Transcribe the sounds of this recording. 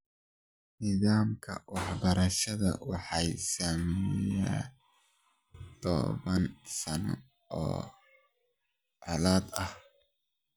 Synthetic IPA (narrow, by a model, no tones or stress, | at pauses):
nɪðaːmkʰɐ̰wɑħbɐɾɐʃɐðɐ̰wɑħɑjsamɛja̰ː | t̪ʰɔ̰βɐnsɐn | ɔ̰ː | ʕɑlaːd̪ɐh